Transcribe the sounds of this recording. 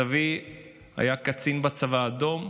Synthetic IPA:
avi | a̰jakat͡sinbat͡savaːd̪o̞m

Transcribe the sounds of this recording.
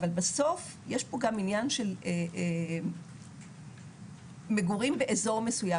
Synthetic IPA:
valbaso̞f | jeʃpo̞ɡaminjanʃe̞le | meɡuʁimveʔezo̞ʁmesuja

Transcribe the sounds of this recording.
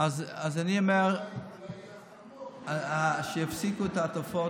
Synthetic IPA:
azazaniomeʁ | aʃejafsikuetat̪ofo

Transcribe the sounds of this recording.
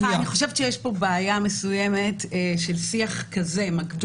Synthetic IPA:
niχo̞ʃevtʃejeʃpo̞beajame̞suje̞metːʃelsiaχkɐzemakd

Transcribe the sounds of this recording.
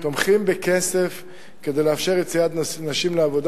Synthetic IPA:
t̪omχimbekesef | ked̪ejleafʃe̞ʁjet͡sijad̪naʃimleavo̞d̪

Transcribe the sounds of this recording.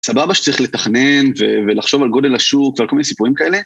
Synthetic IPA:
sababaʃe̥t͡saʁiχle̞taχnenvevelaχʃo̞valɡo̞de̞laʃukvealkominesipuʁimkae̞le̞

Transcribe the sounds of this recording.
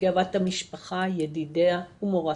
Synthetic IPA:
avat̪hamiʃpaχajed̪ideaumoʁa

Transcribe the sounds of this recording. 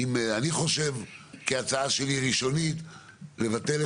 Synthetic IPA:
imaniχo̞ʃe̞vkiat͡saaʃe̞liʁiʃo̞nit̪ | le̞vat̪e̞le

